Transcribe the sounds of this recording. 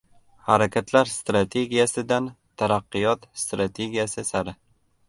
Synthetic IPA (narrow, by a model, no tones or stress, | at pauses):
haɾakʲʰat̪ʰlaɾst̪ɾat̪ʰe̞ɡʲijasɪd̪an | t̪ʰaɾaqːɨjɒt̪st̪ɾat̪ʰe̞ɡʲijasɪsaɾɪ